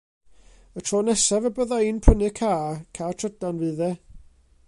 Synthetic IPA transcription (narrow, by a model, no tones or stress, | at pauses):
ətʰrɔːnɛsavɛbəðaɨnpʰənɨkʰaːkʰaːtʰr̥ədanvɨːðɛ